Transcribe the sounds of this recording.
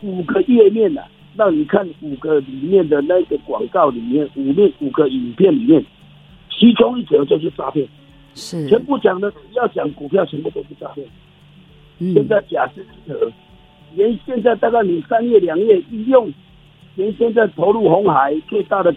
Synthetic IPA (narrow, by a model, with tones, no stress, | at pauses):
u˨˩ɡə˦jɛ˥˧mjɛ˥˨nla̰˨˩ | ɻɑ˥˩ŋni˨˩kʰa˥˩nu˨˩ɡə˦li˨˩mjɛ˥˨nd̪ə˨na˥˧i˥˩ɡə˨kwɑ̰˨˩ŋkɑ˥˨ʊli˨˩mjɛ˥˩nu˨˩mjɛ˥˨nu˨˩ɡə˧˦i˨˩ŋpʰjɛ˥˨nli˨˩mjɛ˥˨n | t͡ɕʰi˧˥t͡sʰʊ˦ŋi˥˩t͡sʰɤ˧˦t͡ɕjo˥˧ʂ̬̩˥˩t͡sa̰˥˧pʰjɛ˥˩nʰ | ɛ˨˦npu˥˩t͡ɕja˨˩ŋd̪ə˦˨˦ja˥˩ʊt͡ɕja˨˩˦ŋku˨˩pʰja˥˨ʊt͡ɕʰɛ˧˦npu˥˩t̪o˥˧˥t͡sa˥˧pʰjɛ˥˩n | ɕjɛ˥˧nt͡sa˥˩ɪt͡ɕja˨˩ʂ̩˥˧i˥˩t͡sʰɤ˧˦ | jɛ˨˦nɕjɛ˥˧nt͡sa˥˧t̪a˥˧ka˥˩ɪni˨˩sa˦˥njɛ˥˩lja˨˩ŋjɛ˥˩i˧˥˧jʊ˥˩ŋ | jɛ˨˦nɕjɛ˥˧nt͡sa˥˩ɪt̪ʰo˧˦ʊlu˥˩ɦo˧˦ŋha˨˦ɪt͡swe˥˧ɪt̪a˥˨ɾə˨